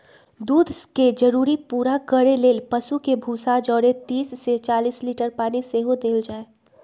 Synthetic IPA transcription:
d̪uːd̪ʱsked͡ʒəɾuːɾipuːɾakəɾeleːlpəsukebʱuːsad͡ʒɔːɾet̪iːsːet͡ʃaːliːsliːʈəɾpaːniseɦod̪eːld͡ʒaːe

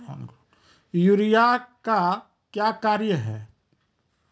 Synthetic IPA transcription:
juɾijaka | kjaːkaːɾjəɦɛː

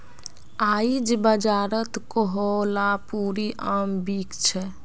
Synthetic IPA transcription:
aid͡ʒbəd͡ʒaɾət̪koɦolapuɾiʔambikt͡ʃʰɛ

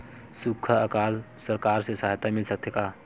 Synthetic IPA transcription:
sukʰəəkal | səɾkaɾsesaɦt̪amilsək̚t̪ʰeka

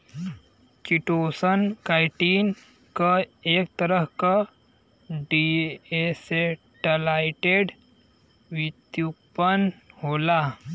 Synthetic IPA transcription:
t͡ʃiʈosənkajʈiːn | kəek̚t̪əɾəɦka | ɖiese | ʈəlajʈeɖ | ʋit̪jukpənhola

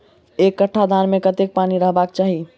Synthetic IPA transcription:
ekːəʈʰːad̪ʱanmekət̪ek̚paniɾəɦbak̚t͡ʃaɦi

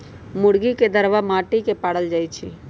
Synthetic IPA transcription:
mʊɽɡiked̪əɾʋamaːʈikepaːɽəld͡ʒaːit͡ʃʰḭ

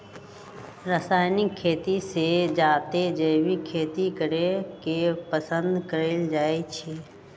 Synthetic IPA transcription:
ɾəsaːɪnɪkʰːeːt̪ised͡ʒaːt̪ed͡ʒəːʋikʰeːt̪ikəɾekepəsə̃nd̪kəɾeːld͡ʒaːet͡ʃʰeː

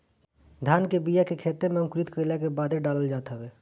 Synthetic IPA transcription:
d̪ʱjaːnkebijakekʰeːt̪emẽŋkɾit̪kəlakebaːd̪ʱeɖaːləld͡ʒaːt̪ɦɛbeː

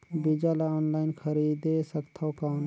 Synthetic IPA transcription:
bid͡ʒalaɔːnlaːɪnkʰəɾid̪esəkt̪ʰakaːn

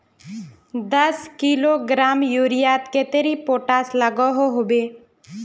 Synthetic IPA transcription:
d̪əskiloɡɾaːmjuːɾijaːt̪ket̪eɾipoːʈaːsləɡoɦoɦobeː

